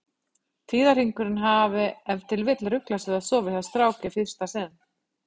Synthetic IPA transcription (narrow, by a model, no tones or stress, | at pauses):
t̪ʰiːðar̥iŋkʏɾɪnɦaːvɪɛvt̪ʰɪlvɪt̪lɾʏklasɪðaðsɔːvɪθaðst̪ɾaːwcɪfɪð̥st̪asɪðn